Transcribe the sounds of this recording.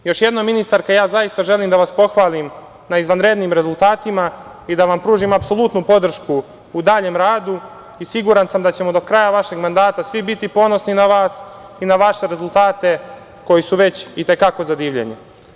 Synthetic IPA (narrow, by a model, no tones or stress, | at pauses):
jo̞ʃjed̪nominist̪aɾkajaːzajist̪aʒe̞liːmd̪aʋaspo̞xʋaːlim | naizʋanɾe̞d̪niːmɾe̞zulˠt̪aːt̪ima | id̪aʋampɾuːʒimapso̞lˠut̪nupo̞d̪r̩ʃkuː | d̪aːʎe̞mɾaːd̪u | isiɡuɾansamd̪at͡ɕe̞mo̞d̪o̞kɾajaʋaʃe̞ɡmand̪aːt̪asʋibit̪ipo̞no̞sninaʋaːs | inaʋaʃe̞ɾe̞zulˠt̪aːt̪e̞ | ko̞jisuʋe̞t͡ɕit̪e̞kako̞zad̪iːʋʎḛɲe